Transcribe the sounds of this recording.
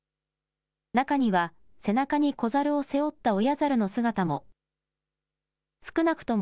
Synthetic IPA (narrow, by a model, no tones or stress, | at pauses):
nakaɲ̟iβa | se̞nakaɲ̟iko̞zaɾɯ̟o̞se̞o̞t̪ːao̞jazaɾɯ̟no̞sɨɡat̪amo̞ | sɨ̥kɯ̟nakɯ̥t̪o̞m